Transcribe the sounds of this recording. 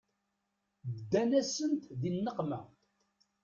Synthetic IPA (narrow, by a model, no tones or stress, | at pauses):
əd̪ːænæsənt̪ðinːəqmæ